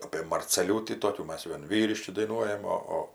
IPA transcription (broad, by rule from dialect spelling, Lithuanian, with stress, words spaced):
ɐpʲeː mɐrʲt͡sʲɛˈlʲuːtʲiː ˈtoːkʲuː ˈmɐs ˈʋʲiɛn ˈʋʲiːrʲɪʃʲkʲɪ dɐɪˈnuɔjɛm ˈoː ˈoː